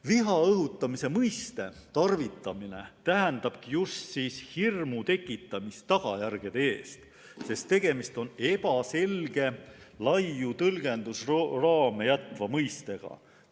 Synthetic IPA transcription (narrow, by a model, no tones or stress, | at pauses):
viɦɑɤɦut̪ːˑɑmise̞mɤjst̪e̞t̪ɑrvit̪ːˑɑmine̞̰t̪æɦænd̪̥ɑb̥̚kijust̪siːshirmut̪e̞kːˑit̪ːˑɑmist̪ɑɡ̥ɑjærɡ̥e̞d̪eeːst̪ | se̞st̪ːe̞ɡ̥e̞mist̪o̞ne̞pɑse̞lɡ̥e̞lɑjːut̪ɤlɡ̥e̞nd̪̥usrrɑːme̞jæt̪vɑmɤjst̪e̞ɡ̥ɑ̰